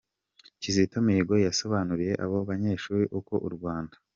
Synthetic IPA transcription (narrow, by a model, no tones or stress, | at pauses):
cizitomiɡo̞jaso̞βaːnuɾije̞ʔa̰βo̞βaɲe̞ːʃuːɾiʔuko̞ʔṵɾɡwaːndḁ